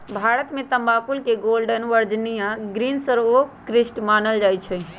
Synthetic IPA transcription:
bʱaːɾət̪mẽt̪əmbapulkeɡolɖənʋəɾd͡ʒnijãɡɾinsəɾokɾisʈmaːnəld͡ʒajt͡ʃʰɛ

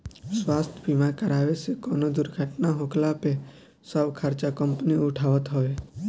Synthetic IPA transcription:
swast̪ʰbʱimãkəɾaʋet͡ʃʰekonod̪ʊɾɡʱaʈnaɦoklape | səbkʰaɾt͡ʃakəmpniʊʈʰaʋət̪ɦɔʋe

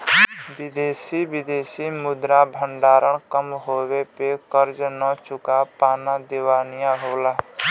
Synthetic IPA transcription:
bid̪eːsibid̪eːsimʊd̪ɾabʱəɳɖaːɾəɳ̃kəmɦobepekəɾd͡ʒnət͡ʃʊkapaːnad̪ewanijãɦola

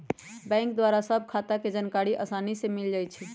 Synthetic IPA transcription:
bɛ̃ŋkd̪waɾasəb̚ʱkʰat̪aked͡ʒənkaɾiʔə̰sanisemild͡ʒajt͡ʃʰɛ

